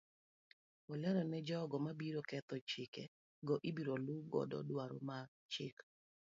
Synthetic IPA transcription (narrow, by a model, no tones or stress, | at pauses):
ɔlɛɾɔnɛd͡ʒɔɡɔmabiɾokɛt̪ɔt͡ʃɪkɛ | ɡɔʔibiɾoluɡɔ̰dɔ̰dwaɾo̰ma | t͡ʃɪk